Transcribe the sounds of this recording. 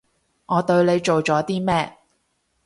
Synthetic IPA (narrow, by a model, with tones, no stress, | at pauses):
ŋʔɔː˨˧t̪ɵ˧ɥle˨˧jt͡ʃo˨wt͡ʃɔː˨˥t̪iː˥mɛː˥